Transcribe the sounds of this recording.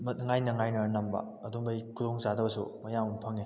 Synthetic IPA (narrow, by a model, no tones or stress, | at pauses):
mɐt̚ŋajnɐŋajnɐnɐmbɐ̰ | ɐduŋbɐjkʰudoŋzadɐbɐsṵmɐjamɐpʰɐŋe